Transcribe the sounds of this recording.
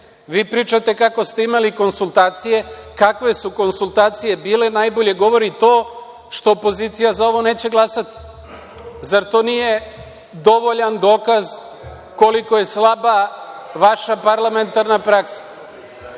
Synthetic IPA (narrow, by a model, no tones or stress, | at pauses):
ʋiːpɾiːt͡ʃat̪e̞kako̞st̪e̞imaliko̞nsulˠt̪aːt̪sije̞kakʋe̞suko̞nsulˠt̪aːt̪sije̞biːle̞najbo̞ʎe̞ɡo̞ʋo̞ɾit̪o̞ː | ʃt̪o̞ːpo̞ziːt̪sijazao̞ʋo̞ne̞ːt͡ɕe̞ɡlˠasat̪i̥ | zaɾt̪o̞ːnije̞ | d̪o̞ʋo̞ʎand̪o̞ːkaz | ko̞liko̞je̞slabaʋaʃapaɾlˠament̪aɾnapɾaksḁ